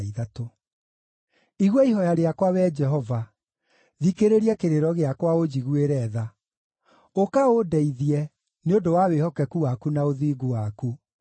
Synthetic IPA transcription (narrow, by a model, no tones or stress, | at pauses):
iðato | iɣwɔiɦɔjaɾeakwawɛd͡ʒɛɦɔva | ðikeɾeɾiɛkeɾeɾɔɣeakwaod͡ʑiɣweɾɛða | okaodɛiðiɛ | neodowawehɔkɛkuwakunaoðiːɡuwaku